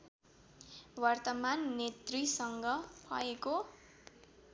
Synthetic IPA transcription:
wʌrt̪ʌmanːet̪risʌŋɡʌpʰʌ̰eko

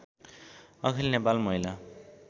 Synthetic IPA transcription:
ʌkʰilnepalmʌɦila

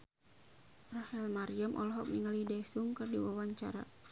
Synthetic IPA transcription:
rahɛlmaɾiamʔɔ̰lɔɦɔk̚niŋalidɛsuŋkɨrdiwawaɲt͡ʃa̰ɾa̰

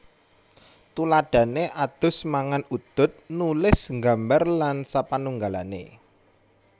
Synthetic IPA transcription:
t̪ulaɖ̥ä̤neʔad̪̥ʊ̤smaŋanud̪̥ʊ̤t̪̚nulɪsŋɡa̤mbarlansapanuŋɡalanḛ

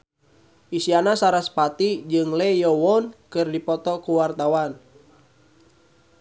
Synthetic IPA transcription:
ʔisianasaɾaspat̪id͡ʒɨŋlɛjɔwɔnkɨrdipɔt̪ɔkuwart̪awan

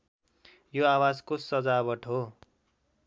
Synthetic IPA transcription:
joawad͡zkosʌd͡zabʌʈʰo

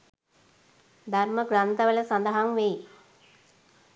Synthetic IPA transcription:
d̪arməɡrant̪əʋələsand̪əɦaŋʋej

